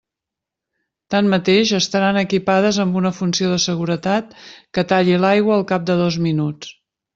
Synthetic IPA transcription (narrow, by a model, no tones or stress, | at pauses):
t̪anmət̪eʒəst̪əɾanəkipað̞əzəmbunəfunsioðəsəɣuɾət̪at̪̚kət̪aʎilajɣwəːlˠkap̚d̪əðɔzminut͡s